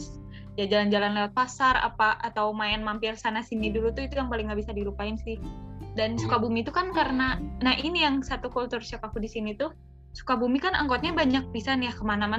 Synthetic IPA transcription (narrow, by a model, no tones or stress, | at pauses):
d͡ʒad͡ʒaland͡ʒalanlewat̪̚fasara̰paʔat̪awmajanmampɪrsanasinidulut̪uit̪ujaŋpalɪŋɡabisadiɾupaɪnsɪhdansukabumit̪ukankaɾənanaɦʔinijaŋsat̪ukult̪ʊrsiɔkakudisinit̪u | su̥kabumikanʔa̰ŋkɔt̪̚ɲabaɲak̚pisanjakəmanama